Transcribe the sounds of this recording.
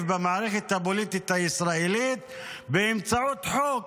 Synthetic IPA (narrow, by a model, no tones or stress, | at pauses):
vbamaʕaɾeχet̪habolit̪it̪haisʁaelit̪ | beːmt͡saut̪ħok